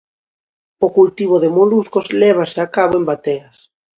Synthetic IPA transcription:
okult̪iβ̞oðɪmoluskozlɛβ̞asɪakaβoembat̪eɐs

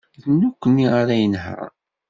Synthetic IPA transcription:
ðənːukʷːənːiaɾajənhæ̰

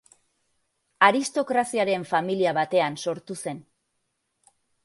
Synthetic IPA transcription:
aɾist̪o̞kɾasiaɾe̞ɱfamiliaβat̪e̞anso̞ɾt̪use̞n

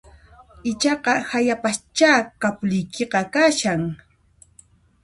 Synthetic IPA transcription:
ɪt͡ʃɑqɑhajapast͡ʃaːkapʎɪjkʰeqɑkaʃaŋ

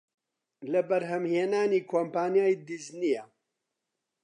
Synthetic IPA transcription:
lɐbɐɾɦɐmheːnaːniːkʰoːmpaːnjaːjd̪iznijɐ

